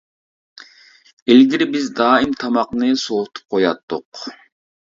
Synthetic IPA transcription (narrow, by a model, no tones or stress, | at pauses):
ilɡʲiɾbizd̪ɑːimt̪ʰɑmɑqnɨsot̪ʰu̥p̚qʰojɑt̪ːuq